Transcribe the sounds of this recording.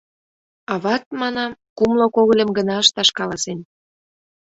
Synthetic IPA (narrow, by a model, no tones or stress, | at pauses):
ɑβɑt̪̚mɑnɑmkumlokoɣə̆lʲə̆mɡənɑəʃt̪ɑʃkɑlɑsen